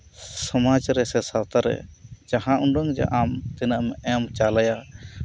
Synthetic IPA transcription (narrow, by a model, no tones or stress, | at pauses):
sɔmad͡ʒɾɛsɛsawt̪aɾɛ̰d͡ʒaɦãʔuɳɖɔŋd͡ʒa̰ʔamt̪ɛnaʔmɛʔɛmt͡ʃalaja